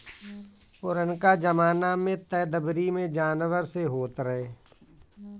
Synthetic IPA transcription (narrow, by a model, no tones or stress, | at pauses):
pʊɾənkad͡ʒəmaːnamẽt̪ɛːd̪əbɾimẽd͡ʒaːnʋəɾseɦoːt̪ɾəɦeː